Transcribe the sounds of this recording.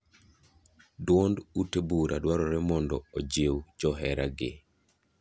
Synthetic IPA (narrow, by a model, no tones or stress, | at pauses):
dwɔndutebuɾʔadwaɾɔɾɛmɔndɔod͡ʒewd͡ʒɔɦɛɾaɡɪ̰